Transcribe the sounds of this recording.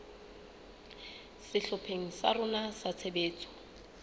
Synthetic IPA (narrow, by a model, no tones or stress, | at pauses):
sɪɬʊpʰeŋ̩sa̰rʊnasat͡sʰebeːt͡sʼɔ̥